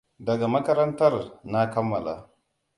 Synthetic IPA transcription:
dɐ˨ɡa˨mɐ˦kɐ˦ɾɐ˦ntɐ˦rna˦kɐ˦mːɐ˨la̰˨

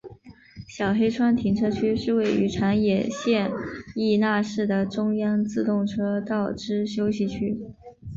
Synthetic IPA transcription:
ɕjɑ˨˩ʊxe˥ɪʈ͡ʂʰwa˥nt̪ʰi˧˥nʈ͡ʂʰɤ˥t͡ɕʰy˥ʂɻ̩˥˧we˥˩ɪy˧˥ʈ͡ʂʰa˧˥njɛ˨˩ɕjɛ˥˧ni˥˧na˥˧ʂɻ̩˥˩d̪ə˩ʈ͡ʂʊ˥ŋjɑ˥ŋt͡sɹ̩˥˧t̪ʊ˥˩ŋʈ͡ʂʰɤ˥t̪ɑ˥˩ʊʈ͡ʂɻ̩˥ɕjo˥ʊɕi˧˩t͡ɕʰy˥

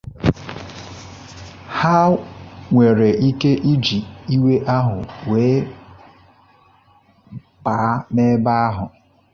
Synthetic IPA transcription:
ha˦ŋʷe˨ɾe˨ʔi˦ke˦ʔi˦d͡ʒi˨i˦we˦ʔa˦ɦʊ˨weː˨˦ | pa˨˦meː˦ba˦a˦ɦʊ˨

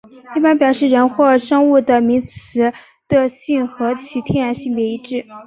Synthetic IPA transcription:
i˥˩pa˥npjɑ˨˩ʊʂɻ̩˥˩ɻə˧˥nxwɔ˥˩ʂɤ˥ŋu˥˩d̪ə˩mi˧˥ŋt͡sʰɹ̩˧˥ | t̪ə˧ɕi˥˩ŋxɤ˧˥t͡ɕʰi˧˥t̪ʰjɛ˥˩ɻa˧˥nɕi˥˧ŋpjɛ˧˥i˧˥ʈ͡ʂɻ̩˥˩

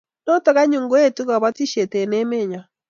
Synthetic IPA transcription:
no˦tɔ˦ɣa˦ɲu˨ŋɡo˦e˦tu˦ɣa˨βɔ˦ti˦ʃe˨te˨ne˦me˦˨ɲa˨

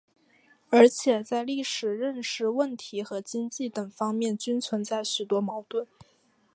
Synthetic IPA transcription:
ə˞˧˥t͡ɕʰjɛ˨˩t͡sa˥˧ɪli˥˩ʂɻ̩˨˩ɻə˥˧nʂɻ̩˧wə˥˩nt̪ʰi˧˥xɤ˧˥t͡ɕi˥ŋt͡ɕi˥˩t̪ə˨˩ŋfɑ˥ŋmjɛ˥˩nt͡ɕy˥nt͡sʰwə˧˥nt͡sa˥˩ɪɕy˨˩t̪wɔ˥mɑ˧˥ʊt̪wə˥˩n

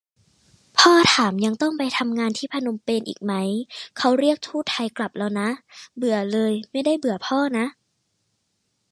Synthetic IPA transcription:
pʰɔː˥˩t̪ʰaː˩˦mja˧ŋt̪ɔ˥˩ŋpa˧jt̪ʰa˧mŋaː˧nt̪ʰiː˥˩pʰa˧no˧mpeː˧nʔḭː˨˩k̚ma˦˥jkʰa˦˥wɾi˥˩ək̚t̪ʰuː˥˩t̪ʰːa˧jkla˨˩p̚la˧˩wna˦˥ʔbɯ˨˩ɐlɤː˧jma˥˩jda˥˩jbɯ˨˩ɐ˦pʰɔː˥˩na˦˥ʔ

